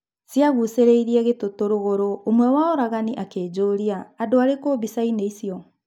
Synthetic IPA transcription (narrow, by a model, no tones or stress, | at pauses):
siaɣuseɾeiɾiɛɣetotoɾoɣoɾoomwɛwaoɾaɣaniʔakeːd͡ʑoːɾiaːdoaɾekoːbisaineisiɔ